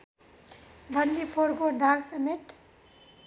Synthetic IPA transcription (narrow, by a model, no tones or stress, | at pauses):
b̪ʱʌnd̪ipʰoɾɡoɖʱaɡsəmeʈ